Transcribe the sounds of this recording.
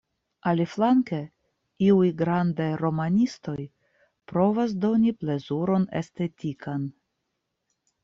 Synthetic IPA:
aliflaŋke | iujɡɾandajɾo̞manʲist̪o̞j | pɾo̞vas̬d̪o̞niple̞zuɾo̞ne̞̰st̪e̞tʲikan

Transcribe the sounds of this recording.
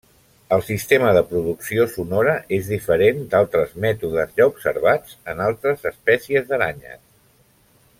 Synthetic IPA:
əlˠsist̪eməðəpɾuðuksiosunɔɾəʔezðifəɾend̪alˠt̪ɾəzmɛt̪uðəzʎaubsəɾβ̞ad͡zənalˠt̪ɾəzəspɛsiəzðəɾa̰ɲə̰s

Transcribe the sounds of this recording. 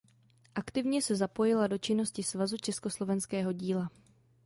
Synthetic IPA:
ʔakt̪ɪvɲɛsɛzapo̞jɪlado̞t͡ʃɪno̞scɪsvazut͡ʃɛsko̞slo̞vɛnskɛːɦo̞ɟiːla

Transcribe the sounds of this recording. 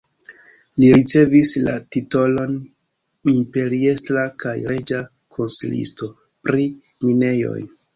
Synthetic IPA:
liɾit͡se̞visla̰tito̞lo̞n | impe̞ɾie̞stɾakajɾe̞d͡ʒa | kʰo̞nsḭlḭsto̞ | pɾi | mine̞jo̞̰jn

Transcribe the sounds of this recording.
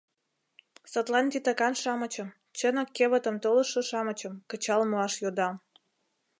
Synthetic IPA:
sət̪lɑnt̪it̪ɑkɑnʃɑmə̆t͡ɕə̆m | t͡ɕənə̆kːeβə̆t̪ə̆mt̪olə̆ʃoʃɑmə̆t͡ɕə̆mkə̆t͡ɕɑlmoɑʃjod̪ɑm

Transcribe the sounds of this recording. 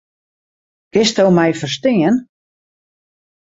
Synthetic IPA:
ɡ̥ɪstowmɛjfərstɪən

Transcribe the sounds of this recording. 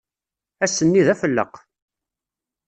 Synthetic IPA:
æsːənːiðæfəlːə̰q

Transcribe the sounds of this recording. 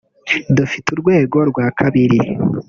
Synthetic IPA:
dufituɾɡwe̞ːɡo̞ɾɡwaːkʰaβiɾi

